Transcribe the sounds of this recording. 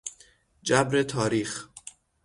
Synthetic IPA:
d͡ʒæbɾet̪ʰɒːɾiːx

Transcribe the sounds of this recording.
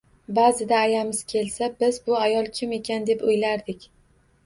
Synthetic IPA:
bazɪd̪aːjamɪz̥kʲʰe̞lsabɪzbʊajɒlˠkʲʰɪme̞kʲʰand̪e̞pʊjlaɾd̪ɪkʲ

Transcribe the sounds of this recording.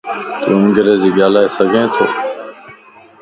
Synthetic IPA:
t̪eũːɡəɾẽːziːɠaːlaːeːsəɡʱẽːt̪ʰoː

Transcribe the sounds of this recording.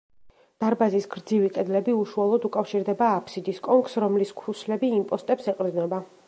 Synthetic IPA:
d̪̥aɾbazisɡɾd̪ziviqʼɛd̪lɛbiuʃualˠɔd̪ukʼafʃiɾd̪ɛbaːpʰsid̪iskʼɔŋksɾɔmliskʰɾuslɛbiːmpʼɔst̪ʼɛpsɛqʼɾd̪nɛba

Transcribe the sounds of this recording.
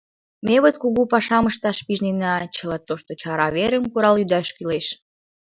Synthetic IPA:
meβot̪kuɣupɑʃɑməʃt̪ɑʃpiʒninɑt͡ɕəlɑt̪ːoʃt̪ot͡ɕɑɾɑβeɾəmkuɾɑljyd̪æʃkyleʃ

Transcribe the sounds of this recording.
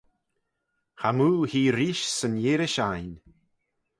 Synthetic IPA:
hamuːhiːɾiʃsənjeːɾɪʃajn

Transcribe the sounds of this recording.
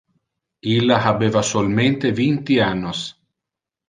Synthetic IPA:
ilːaabeːvasolment̪evint̪ianːos

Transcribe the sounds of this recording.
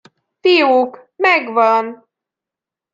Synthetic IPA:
fijokmɛɡvɒn

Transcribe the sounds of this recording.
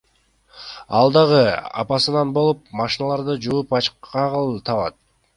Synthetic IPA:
ɑ̰lˠd̪ɑʁɯɑ̰pɑsɯnɑnbo̞lˠup̚mɑʃinɑlˠɑɾd̪ɯd͡ʒuupɑt͡ʃqɑʁlˠt̪ʰɑβɑt̪̚

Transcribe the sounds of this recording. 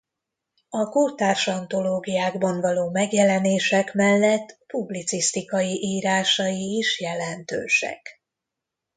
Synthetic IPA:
ɒkort̪aːrʃɒnt̪o̞loːɡijaːɡbɒɱvɒloːmɛɡjɛlɛneːʃɛkmɛlːɛt̪ːpublit̪sist̪ikɒjiʔiːɾaːʃɒjiːʃjɛlɛnt̪ø̰ːʃɛ̰k

